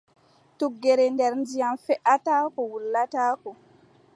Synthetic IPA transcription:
tuɡːɛɾɛndɛɾndijamfɛʔataːkɔwulːataːkɔ

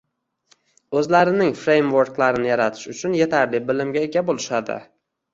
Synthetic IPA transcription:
ɵzlaɾɪnɪŋfɾe̞jmvoɾklaɾɪnɪjaɾat̪ʰɪ̥ʃʊt͡ʃʰʊnje̞t̪ʰaɾlɪbɪlɪmɡʲaeɡʲabolɪʃad̪ɪ̰

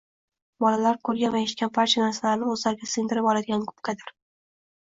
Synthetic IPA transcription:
bɒlalaɾkʰɵɾɡʲanvaeʃɪ̥t̪kʲanpʰaɾt͡ʃʰanaɾsalaɾnɪɵzlaɾɡʲasɪŋd̪ɪɾɪpɒlˠad̪ɪɡʲankʰʊ̥pkʰad̪ɪɾ

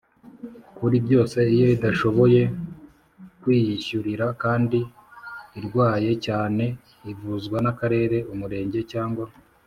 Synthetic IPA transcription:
kuɾibjo̞ːse̞ijo̞idaʃo̞βo̞je̞ | kwiːjiʃuɾiɾakaːndiː | ɾɡwaːje̞caːne̞ | ivuzɡwanakaɾe̞ːɾe̞umuɾe̞ːɲɟe̞caːŋɡwa

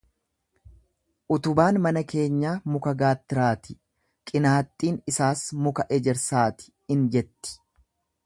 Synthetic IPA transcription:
ʔʊt̪ʊbaːnmɐnɐke̞ːɲːaːmʊkɐɡaːt̪ːɪɾaːt̪ɪ | kʼɪnaːt̪ʼːiːnɪsaːsmʊkɐʔɛd͡ʒɛɾsaːt̪ɪ̥ | ɪnd͡ʒɛt̪ːɪ̥

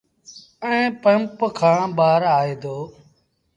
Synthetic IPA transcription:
ə̃ːpəmpkʰãːɓaːɾaːeːd̪oː

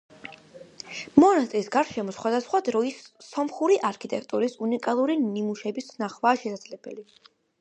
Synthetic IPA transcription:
mɔnast̪ʼɾisɡaɾʃɛmɔsχwad̪asχwad̪ɾɔisːɔmχuɾiʔaɾkʰit̪ʼɛk̚ʰt̪ʼuɾisunikʼalˠuɾinimuʃɛbisnaχvaːʃɛsad̪zlɛb̥ɛ̰li

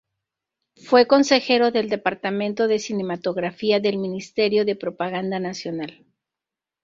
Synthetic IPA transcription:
fwe̞ko̞nse̞xe̞ɾo̞ðe̞ld̪e̞paɾt̪amẽ̞nt̪o̞ðe̞sine̞mat̪o̞ɣɾafiaðe̞lmĩnist̪e̞ɾjo̞ðe̞pɾo̞paɣand̪anasjo̞nal

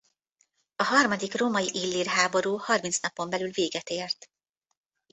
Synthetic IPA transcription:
ɒɦɒrmɒd̪ikroːmɒjiʔilːiːrɦaːbo̞ɾuːhɒrmint̪snɒpo̞mbɛlylveːɡɛt̪eːrt̪

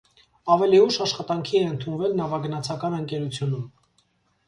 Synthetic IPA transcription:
ɑvɛliuʃɑʃχɑt̪ɑŋkʰiɛənt̪ʰunvɛlnɑvɑɡənɑt͡sʰɑkɑnəŋkɛɾut͡sʰjunum

